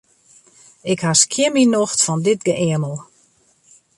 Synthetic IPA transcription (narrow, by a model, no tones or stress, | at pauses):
ɪkhaskʰjɪminoxtfɔndɪtɡəʔɪənəlˠ